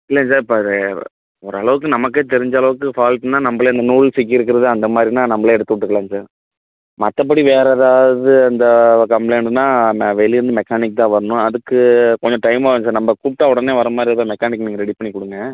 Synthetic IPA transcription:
ɪlːɐs̬aːɾɪpːoːð | ɔɾɯɐɭɐʋɯkːɯnɐmɐkːeːt̪ɛɾɪɲd͡ʒɐɐɭɐʋɯkːɯfaːlʈnːaːnɐmbɐɭɐɪnd̪ɐnuːɭsɛkːɪɾɯk̬ːɪɾɐðɯɐnd̪ɐmaːd̪ɾinaːnɐmːbɐɭeɛɽɯt̪ːɯkːʈːɯkːɐɭãːnsaːɾ | mɐt̪ːɐp̬ːɐɽiʋeːɾɐðaːʋɐðɯɐnd̪ɐkɐmpɭeːnðɯnːaːʋɛliɾɯnd̪ɯmɛkːaːnɪk̚ːt̪ãːʋɐɾɐnʊ̃ɐðɯkːɯkɔɲd͡ʒɔ̃ʈɐɪmaːɾ̃saːɾnɐmbɐkuʈːaɔɽɐneːʋɐɾɐmaːd̪ɾit̪aːmɛkːaːnɪkːniːŋɡɐɾɛɽipɐɳːikːʊɽɯŋɡɐ̃

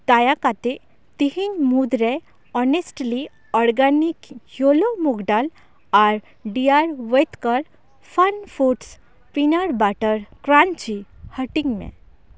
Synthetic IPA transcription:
t̪ajakat̪e | t̪iɦinmud̪ɾe | ɔnesʈli | ɔɾɡanikjolomuɡɖal | aɾ | ɖijaɾʋet̪kəɾ | fənfuʈs | pinaɾbaʈəɾkɾant͡ɕihəʈiŋɡmḛ̃

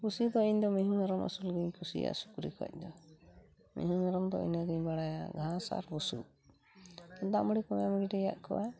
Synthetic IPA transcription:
kusid̪ɔiɲd̪ɔmɛɦunaɾɔma̰sulɡəɲkusija̰ʔsu̥kɾḭkɔ̰c̚d̪ɔ | mḭɦunaɾɔmd̪ɔḭnaɡiɲbaɽajaɡʱãsa̰ɾbusṵ | ɔd̪aʔmɔɽikɔmjaməɽiʈɛja̰ʔkɔwa

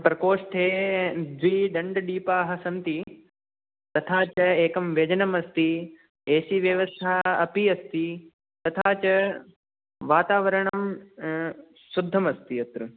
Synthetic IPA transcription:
pɾɐkoːʂʈʰeːd̪ʋiːɖɐɳɖɐɖiːpaːɦɐ̆sɐ̃nt̪i | t̪ɐt̪ʰaːt͡ʃɐeːkɐmʋjɐd͡ʒɐnɐmɐst̪i | eːsiʋjɐʋɐst̪ʰaːɐpiɐst̪i | t̪ɐt̪ʰaːt͡ʃɐ | ʋaːt̪aːʋɐɾɐɳ̃ɐm | sʊd̪ʱːɐmɐst̪iɐt̪ɾɨ

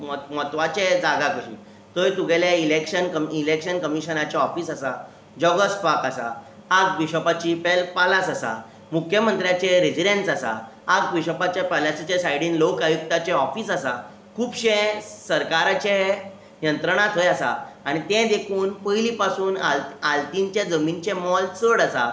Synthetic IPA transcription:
mmɔt̪ʋat͡ɕed͡zaɡakəɕḭː | t̪əjt̪uɡʱeljailekɕənkəmilekɕənkəmiɕənat͡ɕeɔfiːsasa | d͡ʑɔɡəspakasa̰ | aɡ̚ʋiɕəpat͡ɕiːpɛlpalasasa̰ | mukʰjəmənt̪ɾjat͡ɕeɾid͡ʑiɖensasa̰ | aɡ̚ʋiɕəpat͡ɕjapalasit͡ɕesajɽiːnlokajuk̚t̪at͡ɕɛɔfiːsasa | kʰuːpɕẽsəɾkaɾat͡ɕe | jənt̪ɾəɽ̃at̪ɦojasa̰ː | ɽ̃it̪ɛ̃d̪ekʰuːnpəjlipasuːnalalt̪iɲt͡ɕjad͡zəmint͡ɕẽmɔlt͡səɽasa̰

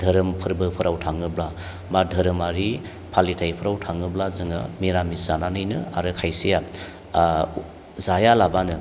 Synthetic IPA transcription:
dʱəɾɯmpʰɯɾbɯpʰɯɾawtʰaŋɯbla | madʱɯɾɯmaɾi | pʰalitʰajpʰɯɾawtʰaŋɯblazɯŋɯ̰miɾamisananɯjnɯa̰ɾɯkʰajsija | zajalabanɯ

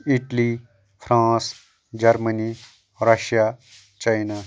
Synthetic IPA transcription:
ɪʈli | pʰɾãːs | d͡ʒɐɾməni | ɾɐʃjaː | t͡ʃainaː

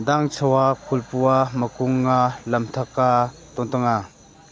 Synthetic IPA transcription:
d̪aŋt͡sʰəwakʰulpuaməkuŋːalɐmt̪ʰɐkat̪ɔnt̪əŋa

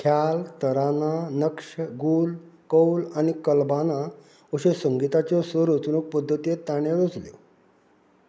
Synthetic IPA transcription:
kʰjalt̪əɾananəkʂəɡuːlkəwlanikəlbana | oɕesəŋɡit̪at͡ɕjɔsəɾot͡snuk̚pəd̪ʱːət̪ijet̪ːaɳ̃eɾod͡zljo̰

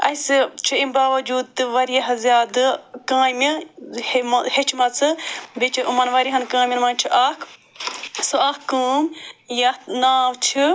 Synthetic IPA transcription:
ɐjst͡ʃʰiimbaːʋɐd͡ʒuːd̪̚t̪ɨʋɐɾijɐɦɐzʲjaːd̪ɨkãːmihmɐhet͡ʃmɐt͡sʰɨbet͡ʃʰiʔumɐnʋɐɾiɦɐnkãːmʲinmɐnt͡ʃʰiʔɐkʰ | soɐkːuːmjɐnaːwt͡ʃʰi

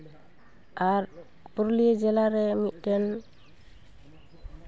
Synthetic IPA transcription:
aɾ | buɾlijed͡ʒɛlaɾɛmit̪̚ˀdɛn

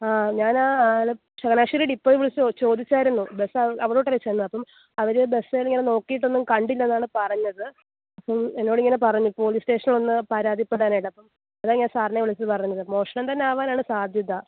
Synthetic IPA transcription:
aːɲaːnaːl | ʂɐɡɐnaːʂiɾiːɽipːo̞ːiʋiɭɐt͡ɕːot͡ɕo̞ːd̪it͡ɕːaːjiɾunːube̞sːɐɐʋiɽo̞ːʈːɐet͡ɕːɐjnːuɐpːɐm | ɐʋɐɾebe̞sailiŋːɐneno̞ːkːijiʈːo̞nːumkɐɳɖilːɐenːaːɳɨpɐrɐɲːɐðɨ | ɐpːɐme̞nːo̞ːɽiŋːɐnepɐrɐɲːupːo̞ːɭiːste̞ːʂɐniɭo̞nːɨpɐɾaːd̪ipːe̞ɽaːnɐʈːɐpːɐm | ɐðaːŋːaːnsaːrnːɐʋɐɭɐt͡ɕːiðɨpɐrɐɲuːɐðɨmo̞ːʂɐɳɐmt̪ɐnːeaːʋaːnaːɳɨsaːd̪ʱjɐðɐ

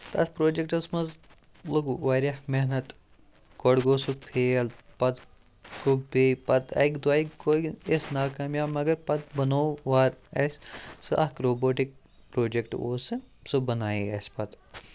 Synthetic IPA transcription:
t̪ɐspɾoːd͡ʒek̚ʈɐsmɐz | lɐɡuʋaːɾahmeɦnɐt̪ | koɽɡoːsuk̚pʰeːlpɐt̪ | kubbeːpɐt̪ɐ̰kd̪waːikoːiesnaːkaːmjaːmɐɡɐɾpɐt̪̚bɐnoːʋaːɾɐssɨʔɐkɾoːboːʈik̚ | pɾoːd͡ʒekʈo̰ːsɨsɨbɐnaːeɐspɐt̪

